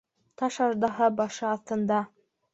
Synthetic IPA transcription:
t̪ɑʃɑʒd̪ɑɦɑbɑʃɤɑθt̪ɤ̆nd̪ɑ

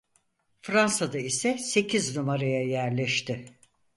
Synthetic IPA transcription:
fɾansad̪aisɛse̞cʰiznumaɾajajæɾlʲɛʃt̪ʰɪ

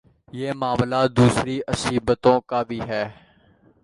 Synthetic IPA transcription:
jeːmaːʋlaːd̪uːsɾiʔəsiːbət̪õːkabʱiːɦɛː

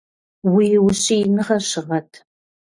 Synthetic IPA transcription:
wiːwʊɕʼijnɨχɐɕɪʁɐtʰ

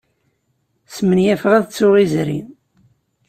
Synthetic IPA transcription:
smənjæfʁæðt͡sːʊʁizɾḭn

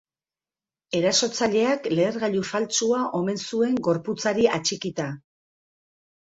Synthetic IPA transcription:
e̞ɾaso̞t͡saʎe̞akle̞ːɾɣaʎufalt͡suaʔo̞me̞nsue̞ŋɡo̞ɾput͡saɾiat͡ʃikit̪a

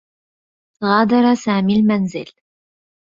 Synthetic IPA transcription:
ɣɑːd̪ɑɾˤɑsaːmiːlmanzɪ̰l

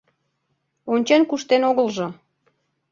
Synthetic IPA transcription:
onʲt͡ɕenkuʃt̪enoɣəlʒɤ

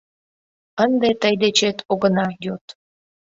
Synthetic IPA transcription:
ənd̪et̪əjd̪et͡ɕet̪ʰoɣənɑjot̪

